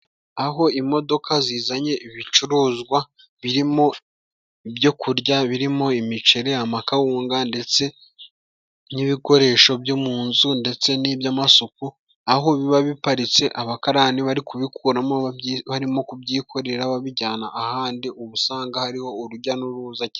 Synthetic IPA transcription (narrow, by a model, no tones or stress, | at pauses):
aɦo̞imo̞do̞kʰaziːzaɲe̞iβit͡ʃuɾuːzɡwa | βiɾimo̞ | ibjo̞kʰuɾɟaβiɾimo̞imit͡ʃe̞ɾe̞amakawuːŋɡande̞t͡se̞ | niβiko̞ɾe̞ːʃo̞bjomuːnzunde̞t͡se̞nibjamasoku | ahoβiβaβipaɾit͡se̞ʔaβakaɾaːniβaɾikuβikʰuɾamo̞βaɾimo̞kubɟiːkʰo̞ɾe̞ɾaβaβiɟaːnaʔːhaːndiʔuβusaːŋɡahaɾiho̞uɾuɟanuɾuːzaci